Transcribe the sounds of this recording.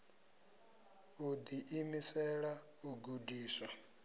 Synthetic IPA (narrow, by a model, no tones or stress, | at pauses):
ud̪iʔimisɛɺa | uɡudiːswa